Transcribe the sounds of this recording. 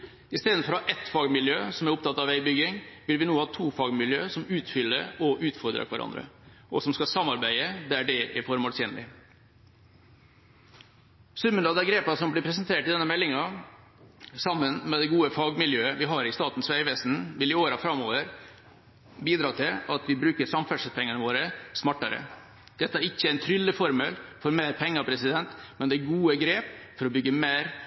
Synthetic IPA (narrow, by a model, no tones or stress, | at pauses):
ɪst̪eːd̪n̩fɔɾhɑːʔɛt̪fɑːɡmɪljø̰ːsɔmæɾʊpt̪ɑt̪ːɑʋæɪbʏɡɪŋʋɪlʋɪnoːhɑːt̪ʰuːfɑːɡmɪljø̰ːsɔmʉːt̪fʏlːə̰ɾɔʔʉːt̪fɔɾd̪ɾə̰kʰʋæɾʔɑ̰nd̪ɾə̰ʔɔsɔmskɑsɑmːɑɾbæɪəd̪æɖɛʔɛfɔɾmoːsɛnlɪ̰ | sʉmːənɑd̪ɛɡɾeːpɑsɔmblɪpʰɾɛs̬ənt̪ʰeːʈɪd̪ɛnːəmɛlːɪŋɑ | sɑmːənmɛd̪ɛɡuːəfɑːɡmɪljøːəʋɪɦɑɾɪst̪ɑːt̪n̩sʋæɪʋɛst̪n̩ʋɪlɪoːɾɑfɾɑmːoːʋəɾ | biːd̪ɾɑːt̪ʰɪlɑt̪ʋɪbɾʉːkəɾsɑmfæʂəlpʰɛŋːənəʋoːɾəsmɑʈːɑɾə̰ | d̪̥ɛt̪ːəæɾɪçːəææɪnt̪ʰɾʏlːəfɔɾməlfɔɾmeːɾpʰɛŋːɑpʰɾɛsɪd̪ɛnt̪mɛnd̪ɛɡuːəɡɾeːpfɔɾɔbʏɡːəmeːɾ